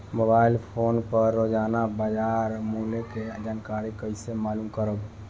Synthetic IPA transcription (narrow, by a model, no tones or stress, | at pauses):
mobailpʰonpəɾːod͡ʒanabad͡ʒaɾmuleked͡ʒankaɾikəɪsemaːlumkəɾəb